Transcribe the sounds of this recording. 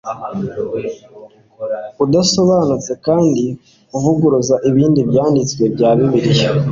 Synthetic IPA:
udaso̞βaːnut͡se̞kaːndi | uvuɡuɾuzaʔiβiːndibjaːndit͡swe̞bjaːβiβiɾijo

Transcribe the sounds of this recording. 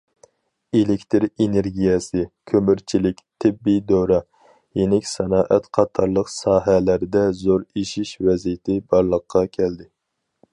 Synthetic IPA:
elɪkʲt̪ʰɪɾeneɾɡʲijɛsɪkʲʰømyɾt͡ʃʰilɪkʲt̪ʰɪbːid̪øɾɑ | jenɪkʲsɛnɑːʔɛt̪qʰɑt̪ʰɑɾlˠəqsɑːɦɛlæɾd̪ɛzoɾiʃiʃvɛzijɪt̪ʰɪbɑɾlˠəqʰːɑkʲʰɛld̪ɪ

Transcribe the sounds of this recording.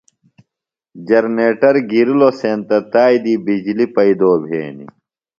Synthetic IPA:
d͡ʑɐɾneːʈɐɾɡiɾiloseːnt̪ɐt̪aːjd̪iːbid͡ʑlipɐid̪oːbʱḛːnḭ

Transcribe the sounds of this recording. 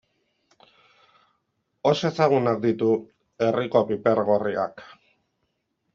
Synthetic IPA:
ose̞saɣ̞unak̚d̪it̪u | e̞riko̞pipe̞ɾɣoria̰k

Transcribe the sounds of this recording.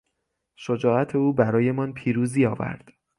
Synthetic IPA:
ʃod͡ʒɒːæt̪ʰe̞uːbæɾɒːje̞mɒːnpʰiːɾuːziːɒːvæ̰ɾd̪̥

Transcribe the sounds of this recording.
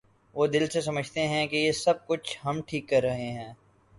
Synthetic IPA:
ʋoːd̪ɪlsesɐməd͡ʒʱt̪eɦɛ̃kejesɐb̚kʊt͡ʃʰɦɐmʈʰiːkːɐɾːɐɦeɦɛ̃ː

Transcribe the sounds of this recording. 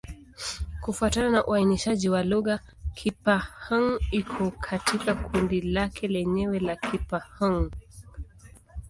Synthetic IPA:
kufuatananaʔuainiʃaʄiwaluɣa | kʰipahaŋikʰɔkʰatʰikakʰundilakʰɛlɛɲɛwɛlakʰipahaŋ

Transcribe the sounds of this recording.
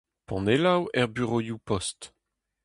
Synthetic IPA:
pɑ̃nelawɛʁbyʁojupɔst

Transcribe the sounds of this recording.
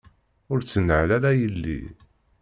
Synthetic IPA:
ʊɾt͡sːənːəʕlæɾæjəlːḭ

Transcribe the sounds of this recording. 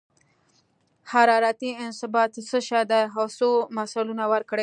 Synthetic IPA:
haɾɑɾat̪iɪnsɪbɑt̪səʃɑd̪ajɦasomasalunawəɾkɽe

